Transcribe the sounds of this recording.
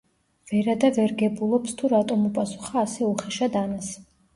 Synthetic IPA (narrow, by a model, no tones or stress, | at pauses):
v̥ɛɾad̪avɛɾɡɛbulˠɔpst̪ʰuɾat̪ʼɔmupʼasu̥χaːsɛuχɛʃad̪anas